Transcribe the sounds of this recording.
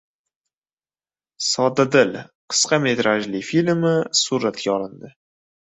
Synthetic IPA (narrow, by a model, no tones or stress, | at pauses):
sɒd̪ad̪ɪlqʰɨ̥sqɑmet̪ɾaʒlɪfilʲmɪsuɾat̪kʲaɒlɪnd̪ɪ